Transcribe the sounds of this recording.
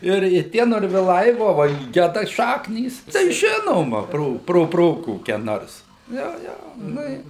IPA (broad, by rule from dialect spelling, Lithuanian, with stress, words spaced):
ˈɪr ɪ ˈtʲiɛ noːrʲʋʲɪˈlˠɐɪ ˈʋoː ʋɐ ɪ ˈɡʲæːdɐ ˈʃɑːknʲiːs tɐɪ ˈʒʲɪnoːmɐ ˈproː proː ˈproː koːˈkʲɛ ˈnoːrs ˈjoː ˈjoː ˈnʊ ɪ